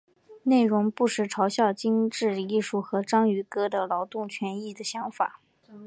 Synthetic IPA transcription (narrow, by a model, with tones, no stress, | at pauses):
ne˥˩ɪɻʊ˧˥ŋpu˥˧ʂɻ̩˥˩ʈ͡ʂʰɑ˧˥ʊɕjɑ˥˩ʊt͡ɕi˥nʈ͡ʂɻ̩˥˧i˥˩ʂu˥˩xɤ˧˥ʈ͡ʂɑ˥ŋy˧˥kɤ˥d̪ə˨lɑ˧˥ʊt̪ʊ˥˩ŋt͡ɕʰɥɛ˧˥ni˥˩d̪ə˩ɕjɑ˧˥ŋfa̰˨˩˦